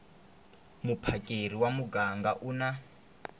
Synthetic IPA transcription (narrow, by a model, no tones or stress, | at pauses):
mupʰakʼer̤iwamuɡaŋɡaʔuna